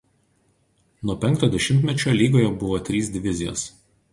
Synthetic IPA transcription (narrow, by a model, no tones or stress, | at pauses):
nuɔpʲɛŋkt̪oːd̪ʲɛʃʲɪmʲt̪ʲmʲɛt͡ʃʲolʲiːɡoːjɛbʊʋoːt̪ʲɾʲiːsd̪ʲɪʋʲɪzʲɪjo̰ːs